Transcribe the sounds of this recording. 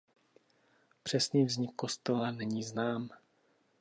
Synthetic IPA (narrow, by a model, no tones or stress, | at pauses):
pr̝̥ɛsniːvzɲɪkʰːost̪ɛlanɛɲiːznaːm